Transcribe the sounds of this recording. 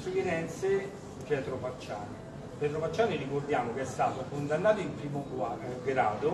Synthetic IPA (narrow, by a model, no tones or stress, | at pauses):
suvinɛnt̪se | pjɛt̪ɾopat͡ʃːaːni | pjɛt̪ɾopat͡ʃːaːnirikord̪jaːmokeɛst̪aːt̪okond̪anːaːt̪oimpɾiːmoɡwaɡɾaːd̪o